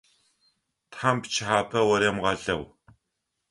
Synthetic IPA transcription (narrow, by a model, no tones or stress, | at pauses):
tħaːmpt͡ʃʰħaːpʰɐwɐɾɛmʁɐɮɐw